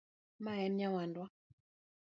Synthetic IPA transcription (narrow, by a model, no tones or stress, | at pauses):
maɛmɲawandwa